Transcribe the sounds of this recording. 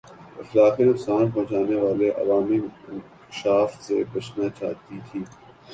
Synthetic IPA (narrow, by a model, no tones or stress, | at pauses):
ɪxlaːqinʊksaːnpɔ̃ɦt͡ʃaːneʋaːleʔɐ̰ʋaːmiɪ̃ŋk | ɪʃaːft̪sḛbɐt͡ʃʰnat͡ʃa̰ːɦt̪it̪ʰiː